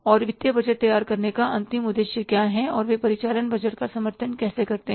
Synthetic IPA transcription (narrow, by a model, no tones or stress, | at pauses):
ɔːɾʋɪt̪jəbɐd͡ʒəʈ̚t̪ɐjaːɾkɐɾnekaɐ̃nt̪ɪmʊd̪eːʃjəkjaːɦɛ̃ɔːɾʋepɐɾɪt͡ʃaːlənbɐd͡ʒəʈkasɐməɾt̪ʰənkɛːsekɐɾt̪eɦ